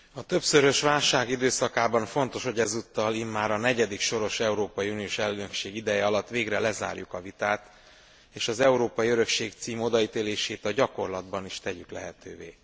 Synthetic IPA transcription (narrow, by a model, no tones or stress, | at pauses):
ɒt̪ø̞psøɾø̞ʃʋaːlʃaːɡid̪øːsɒkaːbɒɱfo̞nt̪o̞ʃho̞ɟɛzut̪ːɒlimːaːɾɒnɛɟɛd̪ikʃo̞ɾo̞ʃɛuɾoːpɒjiunijoːʃɛlːynø̞kʃeːɡid̪ɛjɛɒlɒt̪ːʋeːɡrɛlɛza̰ːrjukɒvit̪aːt̪ | eːʃɒzɛuɾoːpɒjiøɾø̞kʃeːkt̪siːmo̞d̪ɒiːt̪eːleːʃeːt̪ɒɟɒko̞rlɒd̪bɒniʃt̪ɛɟyklɛɦɛt̪ø̰ːvḛː